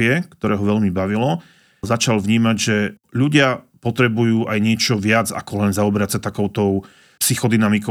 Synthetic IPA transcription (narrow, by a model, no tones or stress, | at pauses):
ɪɛkt̪ɔɾɛːɦɔʋɛʎmibaʋilɔ | zat͡ʃalʋɲiːmaɟʒɛ | ʎuɟɪapɔt̪ɾɛbujuːʔajɲɪɛt͡ʃɔʋɪad͡za̰kɔlɛnzaɔbɛɾacsat̪akɔʊt̪ɔʊ | psixɔd̪inamikɔ